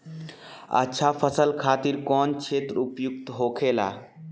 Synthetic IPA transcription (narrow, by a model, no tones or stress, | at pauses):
ə̰tːʃʰapʰəsəlkʰat̪iɾkɔnt͡ʃʰet̪ɾupjuk̚t̪ɦokʰela̰